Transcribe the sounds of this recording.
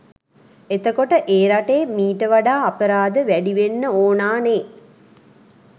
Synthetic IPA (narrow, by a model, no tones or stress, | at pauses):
et̪əkoʈəʔeːɾaʈeːmiːʈəʋaɖaːapəɾaːd̪əʋæɖiʋenːəoːnaːneː